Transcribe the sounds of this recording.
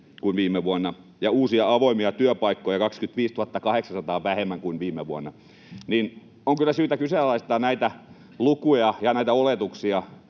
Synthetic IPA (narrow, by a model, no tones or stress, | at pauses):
kunʋiːmeʋuonːɑ | jɑuːsiɑɑʋoimiɑt̪yøpɑikːojɑkɑkskyt̪ʋiːst̪uhɑt̪ːɑkɑheksɑsɑt̪ɑːʋæhemːæŋkuinʋiːmːˑeʋuonːɑ | nin | oŋkylːˑæsyːt̪ækyselːɑist̪ɑːnæit̪æ | lukujɑjɑnæit̪æolet̪uksiɑ